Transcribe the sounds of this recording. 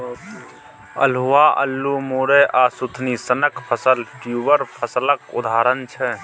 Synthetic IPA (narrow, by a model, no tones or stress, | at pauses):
ə̰lɦuwaʔə̰lːumuːɾeʔaːsut̪ʰnisənəkpʰəsəlʈjuʋəɾpʰəsləkʊ̰d̪ʱaːɾənt͡ʃʰɛ